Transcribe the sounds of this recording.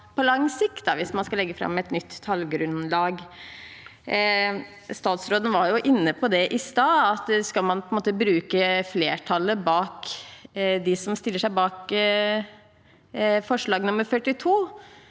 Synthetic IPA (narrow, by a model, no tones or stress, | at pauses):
pʰɔlɑŋsɪkt̪̚d̪ɑʋɪsmɑnskɑlɛɡːəfɾɑ̰mːɛt̪nʏt̪ʰːɑlɡɾʉnlɑːɡ | st̪ɑːt̪sɾoːd̪n̩ʋɑɾjʊʔɪnːəpʰɔd̪ɛʔɪst̪ɑːɑt̪skɑlmɑnpʰɔɛnmoːt̪əbɾʉːkəfleːʈʰɑlːəbɑːk | d̪ɪsɔmst̪ɪlːəʂæɪbɑːk | fɔʂɭɑːɡnʊmːəɾfœʈːɪt̪ʰuː